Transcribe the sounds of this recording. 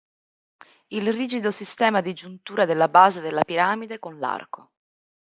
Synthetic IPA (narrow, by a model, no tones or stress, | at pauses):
ilriːd͡ʒid̪osist̪ɛːmad̪id͡ʒunt̪uːɾad̪elːabaːzed̪elːapiɾaːmid̪ekonla̰rko